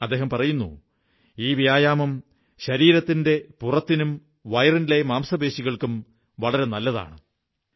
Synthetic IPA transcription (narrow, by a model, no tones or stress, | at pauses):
ɐd̪ːeɦɐmpɐrɐjunːṵ | iːʋijaːjaːmɐm | ɕɐɾiːɾɐt̪ːinde̞purɐt̪ːinum | ʋɐjrinilemaːmsɐbe̞ːɕiɣɐɭkum | ʋɐɭɐɾe̞nɐlːɐða̰ːɳɨ